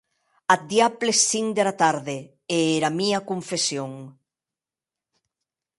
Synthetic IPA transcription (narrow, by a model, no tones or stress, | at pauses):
ad̪japlesθiŋd̪eɾat̪aɾðe | eeɾamiɐkoɱfesjoŋ